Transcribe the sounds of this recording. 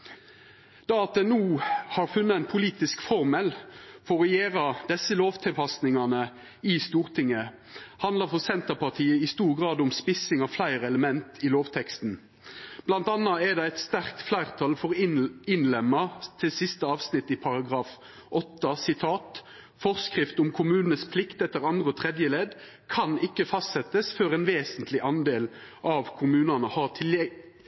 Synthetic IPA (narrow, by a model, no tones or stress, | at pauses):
d̪̥ɑɑt̪̚d̪ɛnuːhɑːɾfʉnːəæɪnpʰʊliːt̪ɪskfɔʁmɛlfɔʁɛjeːʁɑd̪ɛsːəloːʋt̪ʰɪlpɑsnɪŋɑnə | ɪst̪uːʁt̪ʰɪŋə | hɑnd̪əɾfɔʁsɛnt̪əʁpɑʁt̪ʰiːəɪst̪uːʁɡʁɑːd̪ʊmspɪsɪŋɑʋflæɪʁəɛləmɛnt̪ʰɪloːʋt̪ʰɛkst̪n̩ | b̥lɑnt̪ɑnːɑɛd̪ɛɛɪt̪st̪æʁkt̪flæɪʁt̪ʰɑlfɔʁɪnlɛmːət̪ʰɪlsɪst̪əɑːʋsnɪt̪ːɪpʰɑʁɑɡʁɑːf | ɔt̪ːəsɪt̪ʰɑːt̪ | fɔʁskʁɪft̪ʊmkʰʊmʉːnn̩əspʰlɪkt̪ɛt̪ːəʁɑnd̪ʁəot̪ʰʁɛd̪jəleːd̪ | kʰɑnɪkːəfɑst̪sɛt̪əsføːʁɛːnʋeːsənt̪ʰlɪʔɑnd̪eːl | ʔɑʋkʰʊmʉːnɑnəhɑʁt̪ʰɪlɛ